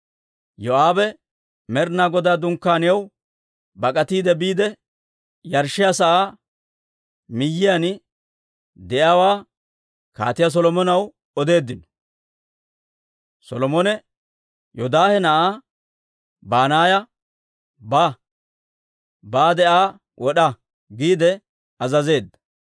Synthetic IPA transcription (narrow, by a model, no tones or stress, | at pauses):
jɔʔaːbɛ | mɛɾnaːɡɔd̪aːd̪ʊŋkːaːnɪjɐw | bɐkʼɐt̪iːd̪ɛbiːd̪ɛ | jɐɾʃɪjasɐʔaː | mɪjːɪjan | d̪ɛʔawaː | ka̰ːt̪ɪjas̬ɔlɔmɔnɐw | ɔd̪e̞ːd̪ːɪn | sɔlɔmɔnɛ | jɔd̪aːhɛnɐʔaː | baːnaːjɐ | ba | baːd̪ɛʔaː | wʔɔɗɐ | ɡiːd̪ɛ | ɐzɐze̞ːd̪ːɐ̥